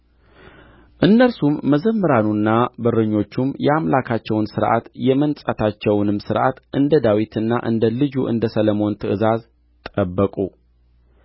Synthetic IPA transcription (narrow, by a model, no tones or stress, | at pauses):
ʔɨnːəlsumːəzəmːəɾanunːabɨrːɨɲːo̞t͡ʃːumjɛamlakʰat͡ʃːɛwnsɨɾʔa̰t̪jɛmənsʼət̪ʰat͡ʃːɛwnɨmsɨɾʔa̰t̪ʔɨnd̪əd̪awit̪ʰɨnːaʔɨ̰nd̪əlɨd͡ʒuʔɨ̰nd̪əsələmo̞nt̪ʰɨɨzaz | t̪ʼəbːəkʼu